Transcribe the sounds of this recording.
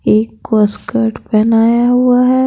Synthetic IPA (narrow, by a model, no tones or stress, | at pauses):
eːkːskəɾʈpɛɦnaːjaɦuaɦɛː